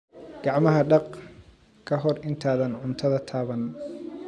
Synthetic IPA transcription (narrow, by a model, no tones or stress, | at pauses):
ɡ̥ɑʕmɐɦɐɖɑq | kʰɐɦɔrʔɪnt̪ʰaːðɐnʕʊnt̪ʰɐðɐt̪ʰaːβɐn